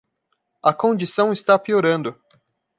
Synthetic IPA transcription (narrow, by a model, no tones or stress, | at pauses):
ɐkõnd͡ʒisɐ̃w̃ɪst̪apioɾɐ̃nd̪ʊ